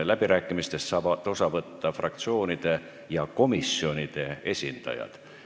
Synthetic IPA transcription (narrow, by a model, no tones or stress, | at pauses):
læb̥iɾæːkːˑimist̪e̞st̪sɑːbɑt̪ːo̞sɑvɤt̪ːɑfrɑ̰k̚t̪sio̞ːnid̪̥e̞ | jɑko̞misːio̞nid̪̥e̞e̞sʲind̪̥ɑ̰jɑ̰d̪̥